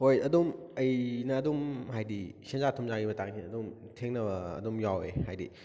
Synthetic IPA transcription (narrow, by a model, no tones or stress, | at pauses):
hojɐdumɐjnɐːdumɦajdisenzatʰumzaɾibɐtaŋsʰinɐdum | tʰeŋnɐbɐ̰ːdumjawḛhajdḭ